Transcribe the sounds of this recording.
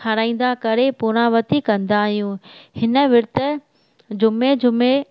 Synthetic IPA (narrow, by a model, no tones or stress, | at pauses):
ɐɾaːĩːn̆d̪akɐɾepuːɾ̃ãʋɐt̪ikɐ̃nd̪aːɦijũhɪnə̆ʋɪɾt̪ə | d͡ʑʊmed͡ʑʊme